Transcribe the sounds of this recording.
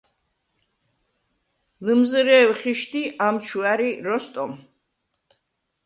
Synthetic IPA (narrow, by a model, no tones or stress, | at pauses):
lɨmzɾɛːwχiʃt̪ʰiʔamt͡ʃʰuaɾiɾɔst̪ʼɔm